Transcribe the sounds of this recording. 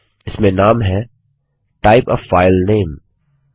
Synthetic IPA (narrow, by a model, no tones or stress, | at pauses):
ɪsmẽnaːmɦɛ | ʈaːɪpɔːʋfaːɪlnẽːm